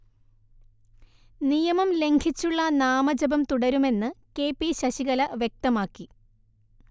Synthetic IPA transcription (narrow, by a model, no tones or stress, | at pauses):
nijɐmɐmle̞ŋɡʰʱit͡ɕːuɭːɐnaːmɐd͡ʑɐbɐmt̪uɽɐɾume̞nːɨke̞ːpːiɕɐɕiɣɐlɐʋje̞k̚t̪ɐmaːkːi